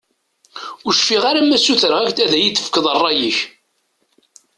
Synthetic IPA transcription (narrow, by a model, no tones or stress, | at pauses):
ʊʃfiʁaɾamːæsːuθəɾʁækt̪æðæjit͡sːə̥fkəðˤərˤːɑjəç